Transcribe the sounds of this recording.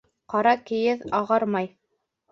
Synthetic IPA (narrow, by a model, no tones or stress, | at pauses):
qɑɾɑkɘ̆jɘðɑʁɑɾmɑj